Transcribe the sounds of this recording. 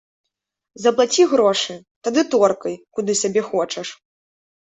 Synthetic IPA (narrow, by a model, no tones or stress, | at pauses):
zɐplˠat͡sʲiɣɾɔʂɨ | t̪ad̪ɨt̪ɔrkɐjkud̪ɨsʲabʲɛxɔt͡ʂɐʂ